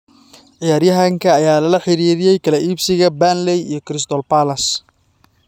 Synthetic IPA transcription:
ʕɪjaːɾjɐɦaŋkʰɐːjaːlɐlɐħɪɾiːɾɪjɛjkʰɐlɛʔiːbsɪɣɐbanlɛjijɞkɾɪst̪ɔlpalɐs

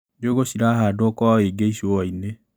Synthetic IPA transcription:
d͡ʒoɣoɕiɾaɦaːdoɔkɔeɡeiɕoɔine

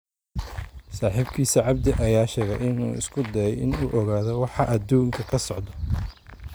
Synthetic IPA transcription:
saːħiːbkʰiːsiʕɑb̚d̪ɪʔɐjaːʃɛːɣɛjʔɪnṵːɪ̰skʰʊd̪ɐɾɛjʔɪ̰nuːʔɔɣaːðɔwɑħɑʔɐd̪uːŋkʰɐkʰɐsɔʕd̪ɔ

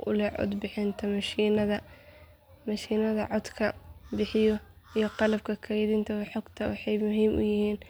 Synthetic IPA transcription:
ʊ̰lɛʕɔ̰d̪bɪħɪnt̪ʰɐmɐʃiːnɐðɐ | mɐʃiːnɐðɐʕɔd̪kʰɐbɪħɪjɔ | ijɞqɑlɐb̚kʰɐkʰɛjðɪnt̪ʰɐwħɔɡt̪ʰɐwɑ̰ħɑjmʊɦiːmʔʊ̰jɪhiːn

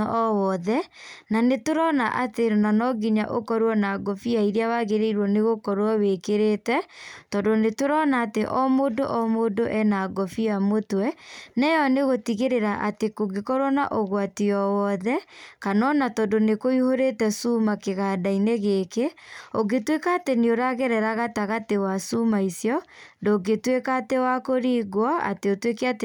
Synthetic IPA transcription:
ɔwɔðɛnanetoɾɔnaʔateɾonanɔɡiɲa̰ʔokɔɾwɔnaɡɔfiaiɾeawaɣeɾeiɾwɔneɣokɔɾwɔwekeɾeːtɛtɔdonetoɾɔnaːteʔɔmodoʔɔmodoʔɛnaɡɔfiamotwɛnɛjɔneɣotiɣeɾeɾaʔatekoɡekɔɾɔna̰ʔoɣwatiɔwɔðɛkanɔnatɔdonekoihoɾetɛsumakeɣadaineɣekeoɡetwekaːteneoɾaɣɛɾɛɾaɣataɣatewasumaisjɔndoːɡetwekatewakoɾiːɣwaa̰teotwekeat

